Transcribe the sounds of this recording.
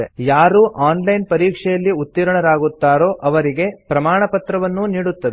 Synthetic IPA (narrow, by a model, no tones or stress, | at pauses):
ejaːɾuːʔaːnlɐjnpɐɾiːkʂɛjɐlːiut̪ːiɾɐɳɐɾaːɡut̪ːaːɾo̞ːʔɐʋɐɾiɡe̞pɾɐmaːɳɐpɐt̪ɾɐʋɐnːuniːɽut̪ːɐd̪e